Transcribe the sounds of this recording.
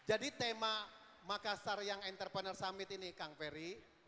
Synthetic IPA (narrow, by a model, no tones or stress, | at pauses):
d͡ʒadit̪ema | makasarjaŋɛnt̪ərpənərsamɪt̪inikaŋfɛɾi